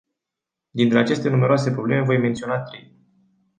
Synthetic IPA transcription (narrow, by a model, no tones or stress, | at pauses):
d̪int̪ɾe̞at͡ʃe̞st̪e̞nume̞ɾoas̬e̞pɾoble̞me̞vo̞jme̞nt̪sio̞nat̪ɾi